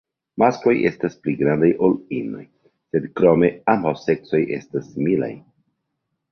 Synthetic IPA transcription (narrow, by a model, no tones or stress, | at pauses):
masko̞jʔe̞̰staspliɡɾandajʔolino̞̰j | se̞d̪kɾo̞me̞ambawse̞kso̞jʔe̞̰stasmila̰j